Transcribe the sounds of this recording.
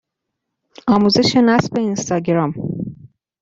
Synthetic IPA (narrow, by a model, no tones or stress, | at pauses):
ɒːmuːze̞ʃe̞næsbe̞inst̪ɒːɟeɾɒm